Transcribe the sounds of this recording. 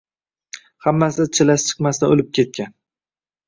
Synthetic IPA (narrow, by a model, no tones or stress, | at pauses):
hamːasɪt͡ʃʰɪlaʃt͡ʃʰɨ̥qmast̪aolɪp̚kʲʰe̞t̪̚kʲan